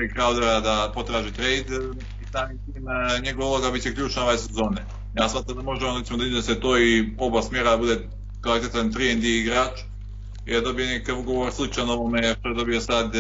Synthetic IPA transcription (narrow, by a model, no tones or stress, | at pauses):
ikɾaud̪ɾad̪apo̞t̪ɾaːʒit̪ɾejd̪ | isaːmit̪iːmɲeɡoʋaulˠoɡabit̪t͡ɕt͡ʃekʎʲuːt͡ʃnaoʋajesezo̞ːne | jaːsmaːt̪ɾamd̪amo̞ʒeonoɾesimod̪aid̪eset̪oːiobasmʲjeːɾad̪abud̪e | kalit̪et̪ant̪ɾiend̪iiɡɾaːt͡ʃ | id̪ad̪o̞bijenekakaʋuɡoʋoɾslˠit͡ʃanoʋomeʃt̪oed̪o̞bijosad̪